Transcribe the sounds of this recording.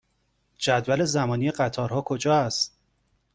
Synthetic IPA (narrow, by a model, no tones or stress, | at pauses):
d͡ʒæd̪væle̞zæmɒːniːjeɢæt̪ʰɒːɾhɒːkʰo̞d͡ʒɒːæst̪̚